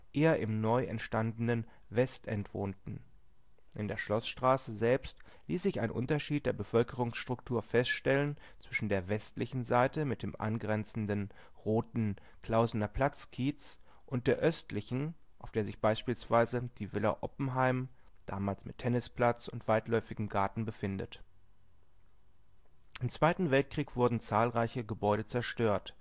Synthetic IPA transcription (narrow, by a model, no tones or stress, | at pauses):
ʔeːɐʔɪmnɔʏʔɛ̰ntʃtandn̩ən | vɛstʔɛntv̥o̰ːntn̩ | ʔɪndeːɐʃlɔsʃtʁ̥aːsəzɛlpst | liːsz̥ɪça̰ɪnʔʊ̰ntɐʃiːt̚d̥eːɐbəfœlkəʁ̞ʊŋsʃtʁ̥ʊk̚tʰuːɐfɛstʃtɛlənt͡sv̥ɪʃn̩deːɐvɛstlɪçn̩zaɪtəmɪt̚d̥eːmʔa̰nɡʁɛnt͡sn̩dən | ʁoːtn̩ | kl̥aʊznɐpʰl̥at͡skʰiːt͡s | ʔʊnt̚d̥eːɐʔœstlɪçn̩ | ʔaʊfd̥eːɐzɪçb̥aɪʃpiːlsv̥aɪzəd̥iːvɪlɐ̰ʔɔpm̩ɦaɪm | d̥a̰ːmaːlsmɪtʰɛnɪsplat͡sʊntv̥aɪtlɔʏfɪɡm̩ɡaɐtn̩bəfɪndə̰t | ʔɪmt͡sv̥aɪtn̩vɛlt̚kʁ̥iːkv̥ʊɐdn̩t͡saːlʁaɪçəɡəbɔʏɾət͡sɛɐʃtøːɐt